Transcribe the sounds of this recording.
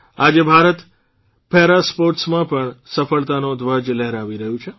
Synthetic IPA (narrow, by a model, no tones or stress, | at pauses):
ad͡ʒebʱaɾət̪ | pʰɛɾaspoɾʈsmãpəɳsəfəɭt̪anod̪ʋəd͡ʒlɛɦɾaʋiɾəɦjũt͡ʃʰe